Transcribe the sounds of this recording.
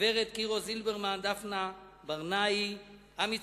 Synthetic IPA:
eʁet̪kiʁozilbeʁmand̪afna | baʁnai | ami

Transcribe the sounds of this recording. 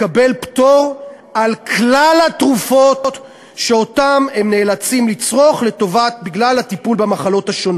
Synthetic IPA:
kabe̞lpto̞ʁ | alklalatʁufot | ʃe̞o̞tamemne̞ːlat͡simlit͡sʁo̞χle̞to̞vat̪̚biɡlalhatipulbemaχalo̞thaʃo̞n

